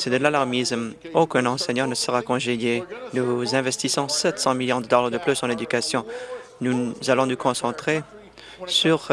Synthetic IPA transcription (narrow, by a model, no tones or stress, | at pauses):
sed̪əlalaʁmism | okɛ̃nɑ̃sɛɲɑ̃nəsəʁakɔ̃ʒejenuzɛ̃vɛst̪isɑ̃sɛt̪sɑ̃miljɔ̃d̪əd̪ɔʁd̪ʁəd̪əplysɑ̃led̪ykasjɔ̃nuzalɔ̃nukɔ̃sɑ̃t̪χe | syʁ